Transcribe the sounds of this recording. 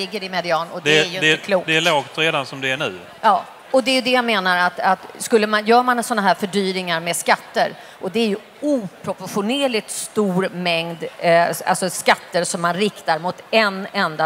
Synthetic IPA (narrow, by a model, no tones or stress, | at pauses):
ɪɡːəɾɪmɛd̪ɪɑːnɔd̪ɛɛæjjɛkʰluːkd̪ɛælɑːɡt̪ʰɾeːd̪ansɔmd̪ɛæɳḭː | jɑː | ɔd̪ɛːɾjɵd̪ɛjameːnaɾat̪at̪skɵlːəmanjœːɾmanɛnsɔnːaɦæːɾfœɖyːɾɪŋaɾmɛskat̪ːəɾ | ʔɔd̪ɛæɾjɵ | uːpʰɾɔpɔɧʊnɛːlɪt̪st̪uːɾmɛŋd̪a̰lsɔskat̪ːəɾsɔmːanɾɪkt̪aɾmʊt̪ɛnɛnd̪a